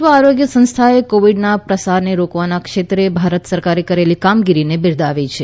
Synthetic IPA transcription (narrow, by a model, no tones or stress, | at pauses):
ʋəaɾoɡjəsə̃nst̪ʰaekoʋiɖnapɾəsaɾneɾokʋanakʃet̪ɾebʱaɾət̪səɾkaɾekəɾelikamɡiɾinebɪɾd̪ʱaʋit͡ʃʰe